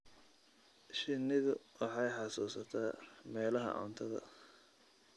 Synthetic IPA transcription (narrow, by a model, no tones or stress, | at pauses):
ʃɪnɪðʊwɑħɑjħɑsuːsɐt̪ʰaːmɛːlɐɦɐ̰ʕɔ̰nt̪ʰɐðɐ̰